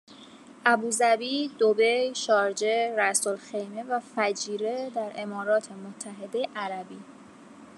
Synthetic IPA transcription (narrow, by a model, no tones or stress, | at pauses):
ʔæbuːzæbiːd̪obejʃɒːɾd͡ʒe̞ɾæsolxe̞jmevæfæd͡ʒiːɾe̞d̪æɾe̞mɒːɾɒːt̪ʰe̞mot̪ʰːæɦe̞d̪e̞jeʔæɾæbiː